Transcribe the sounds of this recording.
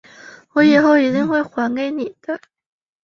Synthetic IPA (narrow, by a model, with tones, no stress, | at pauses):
wɔ˧˥jɛ˨˩xo˥˩ʊi˨˥t̪i˥˧ŋxwe˥˩ɪxwa˧˥nke˧˥ɪni˨˩d̪̥ə˦